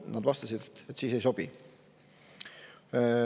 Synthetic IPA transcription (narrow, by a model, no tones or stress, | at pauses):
nɑd̪vɑst̪ɑsid̪et̪et̪ːsiːse̞jso̞b̥i